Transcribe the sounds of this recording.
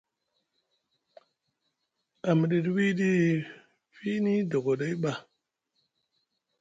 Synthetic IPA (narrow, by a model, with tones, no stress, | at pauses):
a˨m˨ɗi˨twi˦ɗi˦ | fi˦ni˦do˨ɡo˨ɗa˦ɓa˨